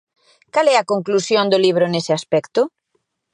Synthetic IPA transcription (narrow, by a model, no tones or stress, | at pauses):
kalɛɐkoŋklusjond̪ʊliβ̞ɾʊnesɪaspɛkt̪ʊ